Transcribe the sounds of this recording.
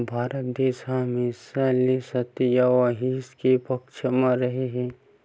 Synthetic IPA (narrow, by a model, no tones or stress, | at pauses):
bʱaːɾət̪̚d̪eːʃamẽsalesɐt̪ijaʋaɦiskepɐkʃəmãɾɐɦeɦɛ̃ː